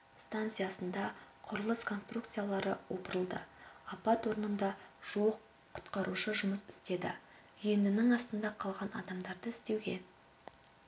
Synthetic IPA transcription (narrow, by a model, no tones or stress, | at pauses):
st̪ant̪sɨjasənd̪ɑqʰʊɾəlˠəskʰo̞nst̪rukt̪sɨjalˠɑɾəwo̞pəɾəlˠd̪ə̰ɑpɑt̪wo̞ɾnənd̪ɑʒ̥uwəqʰː | ʊ̥t̪qɑɾuʃəʒʊməsɪ̥st̪e̞d̪ɪ̰ | ʏjenɪnɪŋɑst̪ənd̪ɑqʰɑlˠʁɑnɑ̰d̪ɑmd̪ɑɾd̪əɪst̪e̞wɡʲe̞̰